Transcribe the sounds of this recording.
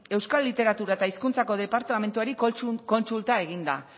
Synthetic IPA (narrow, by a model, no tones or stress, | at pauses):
e̞wskalːit̪e̞ɾat̪uɾaet̪aiskunt͡sako̞ðe̞paɾt̪ame̞nt̪uaɾiko̞nsult̪ae̞ɣ̞ind̪a̰